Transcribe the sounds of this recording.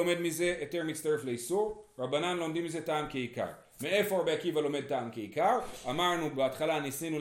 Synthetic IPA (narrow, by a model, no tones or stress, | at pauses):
ome̞d̪mize̞ʔoteʁmistaʁefle̞isuʁʁabananlo̞mdimize̞taːmkeika̰ʁ | mee̞foaabeakivalo̞me̞d̚taːmkeikaʁamaʁnubeatχalanisinu